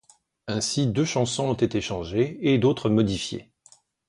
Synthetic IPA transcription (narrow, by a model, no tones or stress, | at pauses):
ɛ̃sid̪øʃɑ̃sɔ̃ɔ̃t̪et̪eʃɑ̃ʒeːd̪ot̪χəmɔd̪ifjḛ